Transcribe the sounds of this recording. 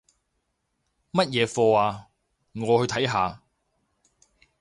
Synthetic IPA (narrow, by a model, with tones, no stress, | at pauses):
mɐ˥t̚jɛː˨˧fɔː˧aː˨˧ | ŋɔː˨˧hɵ˧ɥt̪ʰɐ˨˥jɦaː˨˧